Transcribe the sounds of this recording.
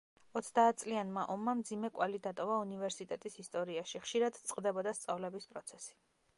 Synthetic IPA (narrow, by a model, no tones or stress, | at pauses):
ɔt̪sʰd̪aːt̪̚ʰtsʼlianmaʔɔmːamd̪zimɛkʼwalid̪at̪ʼɔvaunivɛɾsit̪ʼɛt̪ʼisist̪ʼɔɾiaʃiχʃiɾad̪t̪sʼqʼd̪ɛbɔd̪ast̪sʼavlɛbispʼɾɔt̪sʰɛsi̥